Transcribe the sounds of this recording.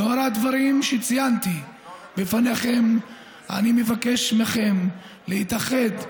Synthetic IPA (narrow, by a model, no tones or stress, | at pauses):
noaɾad̪vaɾimʃet͡sijant̪ibefaneχem | a̰nimevake̞ʃmeχe̞m | leit̪aχe̞d̪